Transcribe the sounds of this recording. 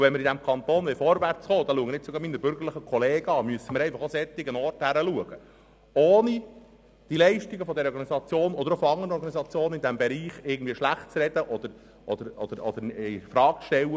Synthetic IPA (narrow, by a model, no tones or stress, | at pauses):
uʋɛnmɪɾid̪æmkʰɑnt̪oːnʋɪfɔɾʋært͡sχoːd̪ɑluəɡənɪt̚t͡sʊɡɑminəɾbʏɾɡərlɪχəkʰɔleːɡəɑːmyəsːəməɾɛɪfɑχosɛt̪ːɪɡənɔrthæɾəluəɡ̥ə | oːni | d̥ilɛɪʃtiɡəfɔd̪ɛɾəɔɾɡɑnisɑt͡sjoːnɔd̪əɾofɔɑŋəɾəɔɾɡɑnisɑt͡sjoːnənɪnd̪æmbɛɾiːχɪːrɡən̩dviːʃlæχt̚t͡sɾɛd̪əʔɔd̪əɾ | ʔɔd̪əɾɔd̪̥əɾɔd̪əɾɛfɾɑːk̚t͡sʃtɛlːə